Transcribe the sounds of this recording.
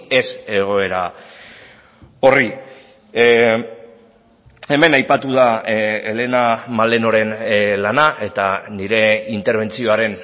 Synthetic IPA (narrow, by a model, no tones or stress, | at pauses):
e̞se̞ɣ̞o̞e̞ɾa | o̞ri | e̞me̞najpat̪uðale̞namale̞no̞ɾe̞nlanaʔe̞t̪aniɾe̞int̪eɾβ̞e̞nt͡sio̞aɾe̞n